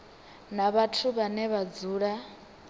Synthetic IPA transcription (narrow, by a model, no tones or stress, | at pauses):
naβatʰuβanɛβad͡zuːɺa